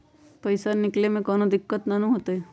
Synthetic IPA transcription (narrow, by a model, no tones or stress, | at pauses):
pəjsanɪklemẽkɔːnod̪ɪkːət̪nanũɦoːt̪eɛ